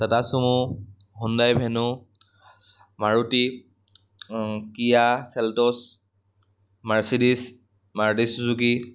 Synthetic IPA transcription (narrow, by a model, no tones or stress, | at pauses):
tatasumu | ɦundajbʱɛnʊ | maɹuti | kijasɛltɔs | maɹsidis | maɹtisuzuki